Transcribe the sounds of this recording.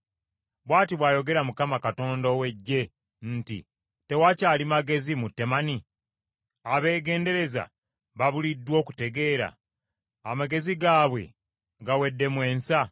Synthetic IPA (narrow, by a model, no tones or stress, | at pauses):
βwaːtiβwaːjo̞ɡe̞ɾamukamakato̞ːndowe̞ɟːe̞ | n̩tḭ | te̞wacaːlimaɡe̞zimutːe̞mani | aβe̞ːɡe̞ːnde̞ɾe̞za̰ | βaβulidːwo̞ːku̥te̞ɡe̞ːɾa̰ː | maɡe̞ziɡaːβwe̞̰ | ɡawe̞dːe̞mwe̞ːnsa